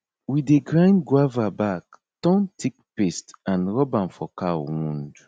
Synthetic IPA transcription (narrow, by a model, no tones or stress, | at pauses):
wideɡɹãjnɡwavabak | tɔ̃ntʰik̚pestãnɹɔbãnfɔkawũnd